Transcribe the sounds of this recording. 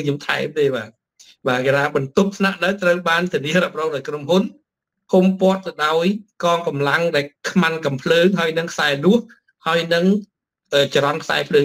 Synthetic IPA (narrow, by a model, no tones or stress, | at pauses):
ɲomt̪ʰa̰ɛmt̪eːɓaː | ɓaːkeɾaːɓɑnt̪up̚sʰnaʔɗəwt̪rəwɓaːnt̪ʰiəniəɾəp̚rɔːŋɗaɔjkromɦun | pʰumpŏət̪̚ːɨwɗaɔjkɑːŋkɑmlaŋɗaɛlkʰmankɑmpʰləːŋɦaəjnɨŋkʰsaɛlʊəh | haəjnɨŋ | ʔəːt͡ɕaɾɑnkʰsa̰ɛpʰləːŋ